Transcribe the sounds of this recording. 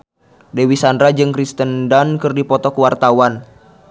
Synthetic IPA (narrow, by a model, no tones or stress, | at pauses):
dewisandɾad͡ʒɨŋkɾist̪əndankɨrdipɔt̪ɔkuwart̪awan